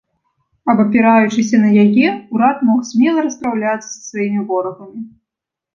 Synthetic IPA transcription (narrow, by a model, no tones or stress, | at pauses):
ɐbɐpʲiɾajut͡ʂɨsʲɐnɐjajɛuɾat̪mɔxzʲmʲɛlˠɐɾɐsp̪ɾawlʲat̪sːɐ̥sɐ̥svajimʲivɔɾɐɣɐmʲi